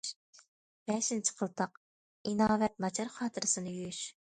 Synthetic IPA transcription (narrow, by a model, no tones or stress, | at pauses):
b̥ɛːʃint͡ʃʰi̥qʰəlˠt̪ʰɑq | inɑːvɛt̪̚mɑt͡ʃʰɑɾχɑːt̪ʰɨɾɨsɨnɨjyjyʃ